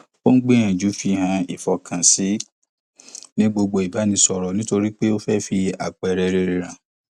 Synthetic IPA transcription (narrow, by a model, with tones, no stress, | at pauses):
o˦n̩˦ɡ͡be˦j̃ã˨d͡ʒu˨˦fi˦˨hã˧i˨fɔ˨kʰã˨si˨˦ | nĩ˦ɡ͡bo˧ɡ͡bo˧i˨ba˨˦nĩ˧sɔ˧ɾɔ˨nĩ˦to˧ɾi˦k͡pe˦o˦fɛ˦fi˧˦a̰˨k͡pɾɛ˧ɾe˧ɾe˧ɾ̃ã˨